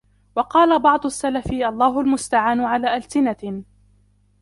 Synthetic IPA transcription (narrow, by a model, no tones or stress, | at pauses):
wɑqɑːlabɑʕd̪ˤʊasːalafɪʔɑlˤːɑːɦʊlmʊst̪aʕaːnʊʕalaːʔalsɪna